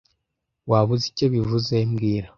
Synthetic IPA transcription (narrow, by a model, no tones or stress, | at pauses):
waβuzico̞βivuzemɡiːɾa